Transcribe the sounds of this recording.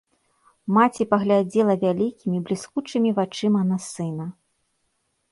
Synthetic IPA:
mat͡sʲipɐɣlʲad͡zʲɛlˠɐvʲalʲikʲimʲiblʲiskut͡ʂɨmʲivat͡ʂɨmɐnɐsɨnɐ

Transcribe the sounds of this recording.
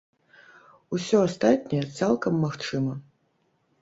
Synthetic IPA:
usʲɔast̪at̪ʲnʲɛjɛt̪salˠkɐmːaxt͡ʂɨmɐ

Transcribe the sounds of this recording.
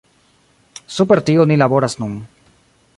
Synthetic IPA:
supeɾt̪ionilaβoɾasnun

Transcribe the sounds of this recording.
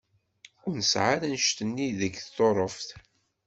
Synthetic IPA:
ʊɾnəsʕaɾænʃt̪ənːiðəɡθːoɾˤəfθ

